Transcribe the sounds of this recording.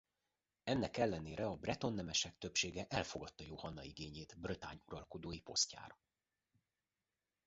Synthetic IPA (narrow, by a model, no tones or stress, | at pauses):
ɛnːɛkɛlːɛneːɾɛɒbrɛt̪o̞nːɛmɛʃɛk̚t̪øpʃeːɡɛʔɛlfo̞ɡɒt̪ːɒjohɒnːɒiɡeːɲeːt̪brøt̪a̰ːɲuɾɒlko̞d̪oːjipo̞sca̰ːɾɒ